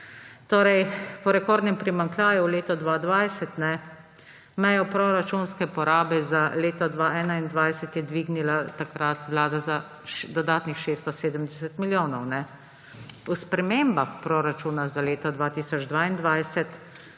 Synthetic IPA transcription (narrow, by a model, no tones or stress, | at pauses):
t̪oːɾɛjpɔɾɛkoːɾd̪nɛmpɾimaŋklaːjuwleːt̪ɔd̪ʋaːd̪ʋajsɛt̪nɛ | mɛjɔpɾoɾat͡ʃunskɛpɔɾaːbɛzaleːt̪ɔd̪ʋaːɛːnaind̪ʋajsɛt̪jɛd̪ʋiːɡnilat̪akɾat̪ʋlaːd̪aza | ʃd̪ɔd̪aːt̪nixʃeːst̪ɔseːd̪əmd̪ɛsɛt̪miljoːnɔwnɛ | uspɾɛmembaxpɾoɾat͡ʃuːnazaleːt̪ɔd̪ʋaːt̪iːsɔd͡ʒd̪ʋaːind̪ʋajsɛt̪